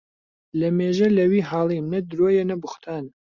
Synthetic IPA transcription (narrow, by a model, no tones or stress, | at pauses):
lɐmeːʒɐlɐwiːɦaːlˠiːmnɐd̪ɾojɛnɐbʊxt̪ʰaːn